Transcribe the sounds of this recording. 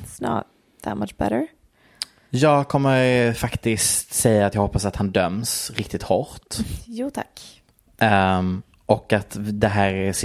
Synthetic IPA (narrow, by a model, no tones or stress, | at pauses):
snɑ̰ | ða̰t̪̚mat͡ʃb̥ɛ̰ɾə˞ | jɑːɡkʰɔmːəɾfakt̪ɪskt̪sɛjːat̪jɑɡhɔpːasat̪hand̪œmsɾɪk̚t̪ɪt̪hɔɾt̪juːt̪ʰa̰k | ʔɔkat̪d̪ɛɦæːɾæs